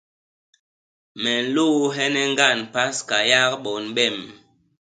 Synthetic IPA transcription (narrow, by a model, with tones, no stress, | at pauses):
mɛ˨n̩˨lo˦˨˦ɦɛ˦nɛ˦ŋ˦ɡa˦˨npa˦ska˨ja˦kɓɔ˨nɓɛ˦˨m